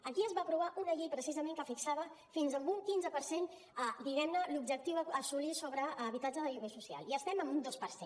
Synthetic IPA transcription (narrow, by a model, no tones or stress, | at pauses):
əkiəzβaəpɾuβ̞aʔunəʎejpɾəsizəmẽŋkəfiksaβə | finzə̃muŋkinzəpəɾsen | əd̪iɣɛmnəlubʒək̚t̪iwəəsulisoβɾəːβit̪ad͡ʒəðəʎuβesusia̰lˠiəst̪ɛməmbund̪ospəɾse